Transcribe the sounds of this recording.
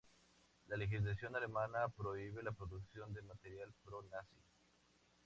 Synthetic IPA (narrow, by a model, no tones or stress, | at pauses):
lalexizlas̬jo̞nalemanapɾo̞iβe̞lapɾoðuksjo̞nd̪emat̪eɾjalpɾonasi